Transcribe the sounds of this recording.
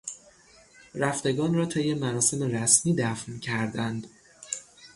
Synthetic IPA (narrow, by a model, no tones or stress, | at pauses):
ɾæft̪e̞ɡɒːnrɒːt̪ʰejːe̞mæɾɒːse̞meɾæsmiːd̪æfncʰæɾd̪ænd̪̥